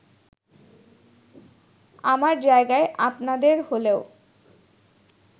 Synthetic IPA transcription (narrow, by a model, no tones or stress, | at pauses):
amaɾd͡ʑaeɡaeʔapnad̪eɾholeo